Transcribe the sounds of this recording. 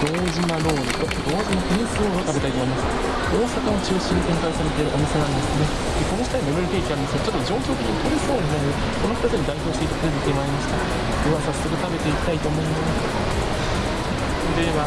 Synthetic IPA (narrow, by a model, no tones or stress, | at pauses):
d̪̥o̞ːd͡ʑinaɾo̞ːɾood̪o̞ːd͡ʑinakɯɲʲĩsɨɾoːɾot̪abe̞t̪ait̪omo̞imasɨ̥ | o̞ːsakaot͡ɕɨːɕĩɲnt̪ẽ̞ŋkaisaɾe̞t̪eɾɯʔo̞mʲise̞naɾʲimasɨne | d̪eko̞no̞ɕi̥t̪aɲimemoɾit̪eikʲiaɾɯnd̪esɨɡat͡ɕo̞t̪ːod͡ʑo̞ːkʲoːt̪e̞kʲiɲit̪ʰo̞ɾʲisoːinaĩnd̪e | konokḁt̪at͡sɨɲ̟id̪aiço̞ːɕi̥t̪eit̪ːapɾezet̪ʲemaːɾʲimaɕi̥t̪a | d̪eβasasɨɾɯ̟t̪ame̞t̪e̞ikʲi̥t̪ait̪oːmo̞ɯ̟̃nenes | d̪eβa